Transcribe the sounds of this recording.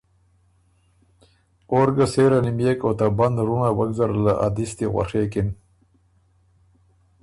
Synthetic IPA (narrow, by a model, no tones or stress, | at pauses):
oɾɡaseɾanimjekot̪aband̪ɾunawaɡzaɾlaʔa̰d̪ist̪iɣwa̰ʂeːkin